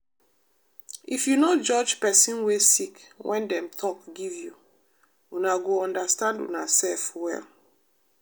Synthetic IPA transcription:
ifjunod͡ʒɔd͡ʒpɛsĩnwesikwɛ̃ndɛ̃mtʰɔkɡivju | unaɡoɔ̃ndastãndṵnasɛlfwɛ̰l

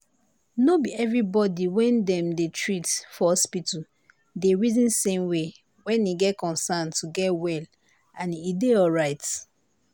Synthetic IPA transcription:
nobiɛvɹibɔdiwɛ̃ndɛ̃mdetʰɹithɔhɔspitu | deɹizĩnsẽmwe | wɛ̃niɡɛt̚kɔ̃nsãntʰuɡɛtwɛl | ãnideɔlɹaɪt

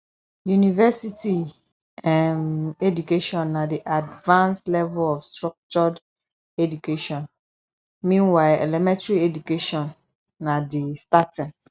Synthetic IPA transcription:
junivɛsitʰi | ɛ̃nedukeʃɔ̃nːãdiʔadvãnslɛvɛlɔfstɹɔk̚t͡ʃɔd | edukeʃɔ̃n | mĩnwaɪʔɛ̰lɛmɛ̃tɹiedukeʃɔ̃nː | ãdistatɪ̃n

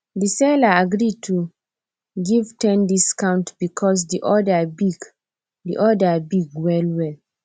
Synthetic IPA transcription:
disɛlaaɡɹitʰu | ɡivtʰɛ̃ndiskãw̃ntbikʰɔs̬diʔɔdabiɡ | dḭʔɔdabiɡwɛlwɛl

